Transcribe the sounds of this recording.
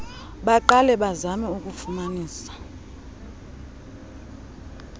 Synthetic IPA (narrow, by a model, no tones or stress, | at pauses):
ɓaǃalɛɓazamɛukʼufumaniːsḁ